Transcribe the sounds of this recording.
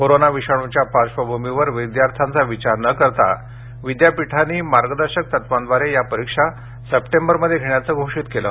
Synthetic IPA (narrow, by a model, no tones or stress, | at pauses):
koɾonaʋiɕaɽut͡ɕjapaɕʋəbʱumiʋəɾʋid̪jaɾt̪ʰant͡saʋit͡ɕaɾnəkəɾt̪a̰ | ʋid̪japiʈʰanːiːmaɾɡəd̪əɾɕək̚t̪ət̪ʋand̪ʋaɾejapəɾikʂa | səpʈembəɾməd̪ʱːjeɡʱeɳjat͡səɡʱoʂiːt̪kelə̰